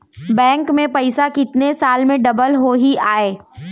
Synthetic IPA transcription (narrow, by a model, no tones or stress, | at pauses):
bɛ̃ːŋkmẽpɐɪsakɪt̪nesaːlmẽɖɐbəlɦoɦiʔaːeː